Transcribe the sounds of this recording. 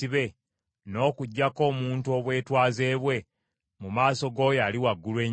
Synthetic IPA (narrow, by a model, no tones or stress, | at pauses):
iβe̞ | no̞ːkuɟːako̞ːmuːntuo̞βwe̞ːtwaːze̞ːβwe̞ | mumaːso̞ɡo̞jaːliwaɡːulwe̞ː